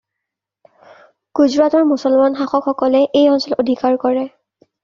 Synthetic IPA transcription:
ɡ̥uzɹatɔɹmusɔlmanxaxɔkxɔkɔlɛʔejɔnsɔlodʱikaɹkɔɹɛ

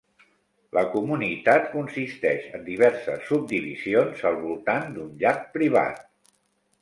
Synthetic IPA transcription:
ləkumunit̪at̪kunsist̪ɛʃənd̪iβɛɾsəsːub̚d̪iβḭzionzəlˠβulˠt̪and̪unʎak̚pɾiβ̞a̰t̪̚

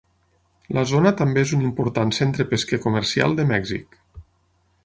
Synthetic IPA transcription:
ləzonət̪ambeezunimpuɾt̪ansent̪ɾəpeskekuməɾsia̰lˠd̪əmɛɡzḭk

